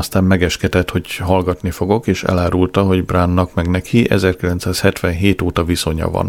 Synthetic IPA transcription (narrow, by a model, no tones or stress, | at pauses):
ɒst̪aːmmɛɡɛʃkɛt̪ɛt̪ho̞ɟɦɒlɡɒt̪nifo̞ɡo̞keːʃɛ̰laːɾult̪ɒɦo̞ɟbraːnːɒkmɛɡnɛkʰiʔɛ̰zɛrkilɛnt̪saːshɛt̪ʋɛnɦeːt̪oːt̪ɒviso̞ɲɒ̰vɒ̰n